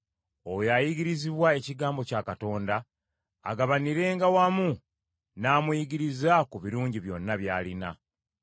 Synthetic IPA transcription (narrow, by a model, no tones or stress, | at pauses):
owjajiɡiɾiziβwae̞ciɡaːmbo̞caːkato̞ːnda̰ː | ɡaβaniɾe̞ːŋɡawamu | naːmujiɡiɾizakuβiɾuːɲɟiβjo̞nːaβjaːlina̰